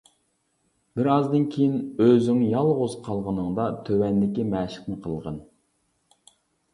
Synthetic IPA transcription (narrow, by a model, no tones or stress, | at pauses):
bɪɾɑzd̪ɨnkʲʰejinøzyŋjɑlˠʁozqʰɑlˠʁənɨŋd̪ɑt̪ʰøwɛnd̪ɪkʲimɛːʃɪ̥qnɨqʰəlˠʁən